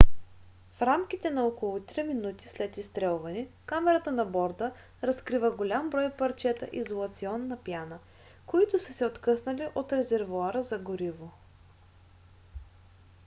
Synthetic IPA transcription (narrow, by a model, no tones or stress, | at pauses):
fɾamkʲit̪ɛnɐokolˠʊt̪ɾiminut̪i̥slɛt̪ist̪ɾɛlˠvɐnikamɛɾət̪ənɐbɔɾd̪ə | ɾɐskɾivəɡolʲambɾɔjpɐɾt͡ʃɛt̪ə̰ʔizolˠɐt̪siɔnːɐpjanə | koit̪ʊsəsɛot̪kɤsnəliʔot̪ɾɛzɛɾvuaɾəzɐɡoɾivo